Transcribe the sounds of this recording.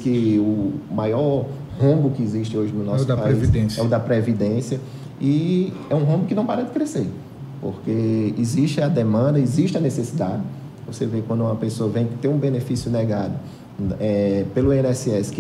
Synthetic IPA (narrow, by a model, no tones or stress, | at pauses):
kɪʊmajɔɾ | hɐ̃bʊkɪiziʃt͡ʃɪoʒɪnʊnɔsd̪ɐpaeivid̪ẽsɛʊd̪ɐpɾevid̪ẽsjɐ | iɛũɦɐ̃mbʊkɪnɐ̃w̃paɾɐd̪ɪkɾeseɾ | po̰ɾkeiziʃt͡ʃɪɐd̪emɐ̃d̪ɐiziʃt͡ʃɪɐnesesid̪ad̪ɪ | vosevekwɐ̃nd̪ʊũmɐpesoɐvẽj̃ɪt̪eɾũbenefisjʊnɛɡad̪ʊ | ɛpelʊenɛsiɛsɪ̥k